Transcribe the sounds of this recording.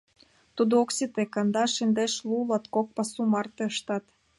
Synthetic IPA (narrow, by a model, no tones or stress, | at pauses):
t̪ud̪ooksit̪ekɑnd̪ɑʃind̪eʃlulɑt̪kok̚pɑsumɑrt̪ĕəʃt̪ɑt̪